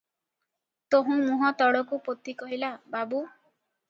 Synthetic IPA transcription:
t̪oɦũmũɦɔt̪ɔɽɔkupot̪ikɔɦilababu

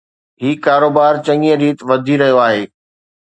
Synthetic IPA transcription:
ɦiːkaːɾoːbaːɾt͡ɕɐ̃ŋijə̃ɾiːt̪ʋɐd̪ʱiɾɐɦijoaːɦeː

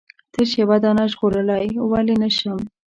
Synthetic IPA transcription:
t̪əʃewad̪ɑnaʒɣoɾəlajwalenəʃəm

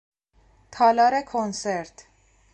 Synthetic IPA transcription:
t̪ʰɒlɒːɾekʰonseɾt̪ʰ

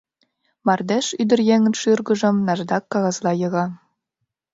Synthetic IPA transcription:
mɑrd̪eʃyd̪ɘ̆rjeŋɘ̆nʃɯrɣɤ̆ʒɤ̆mnɑʒd̪ɑkːɑɣɑzlˠɑjɤ̆ɣɑ

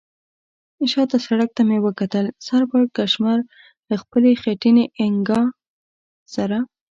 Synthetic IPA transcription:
ɪʃɑt̪asaɽak̚t̪amewəkat̪əlsaɾbɑɽ̚kaʃmaɾ | d̪əxpəlexaʈineʔɪŋɡɑ | saɾa

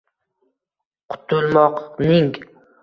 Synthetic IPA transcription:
qʰʊ̥t̪ʰʊlˠmɒqnɪŋ

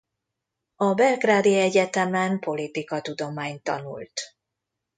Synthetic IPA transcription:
ɒbɛlɡraːd̪iɛɟɛt̪ɛmɛmpo̞lit̪ikɒt̪ud̪o̞maːɲt̪ːɒ̰nṵlt̪

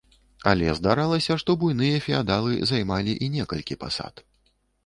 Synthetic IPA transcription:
a̰lʲɛ̰zd̪aɾalˠɐsʲɐʂt̪ɔbujnɨjɐfʲiad̪alˠɨzajmalʲiʔinʲɛkɐlʲkʲipa̰sa̰t̪

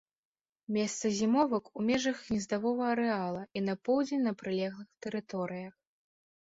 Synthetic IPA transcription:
mʲɛst̪sɐzʲimɔvɐkumʲɛʐɐxnʲɛzd̪avɔvɐɐɾɛalˠɐinɐpɔwd͡zʲenʲnɐpɾɨlʲɛɣlˠɨxt̪ɛɾɨt̪ɔɾɨjɐx

